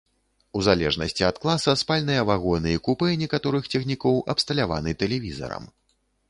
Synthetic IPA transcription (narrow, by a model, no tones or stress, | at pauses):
uzalʲɛʐnɐsʲt͡sʲiɐt̪klˠasɐspalʲnɨjɐvaɣɔnɨjikupɨnʲɛkat̪ɔɾɨxt͡sʲɛxnʲikɔwʔɐpst̪ɐlʲava̰nɨt̪ɛlʲɛvʲizɐ̰ɾɐ̰m